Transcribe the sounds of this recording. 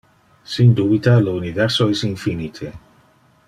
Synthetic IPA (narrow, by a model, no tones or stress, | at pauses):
sind̪ubit̪aləunivɛɾsoesinfinit̪ʰe